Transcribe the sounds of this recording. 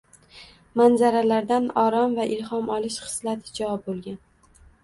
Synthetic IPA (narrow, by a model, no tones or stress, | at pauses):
manzaɾalaɾd̪anɒɾɒmvaʔɪlhɒmɒlɪʃχɨ̥slat̪ʰɪd͡ʒavɒp̚bolˠɡʲan